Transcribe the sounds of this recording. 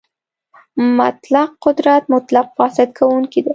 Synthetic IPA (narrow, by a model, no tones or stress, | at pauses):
mʊt̪laqqːʊd̪ɾat̪mʊt̪laq̚fɑsɪd̪kʰawuŋkid̪a